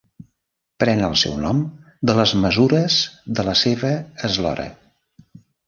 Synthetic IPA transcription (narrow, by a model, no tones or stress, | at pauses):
pɾɛnəlˠsɛ̰wnɔm | d̪ələzməzuɾəz̥ðələseβ̞əːzlɔ̰ɾə̰